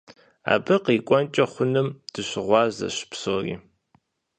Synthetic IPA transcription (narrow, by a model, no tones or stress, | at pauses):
a̰ːbɨqiːkʷʼɔnt͡ʃʼɐχʷʊnɨmd̥ɨɕɪʁʷɑːzɐ̰ɕpsoːrḭː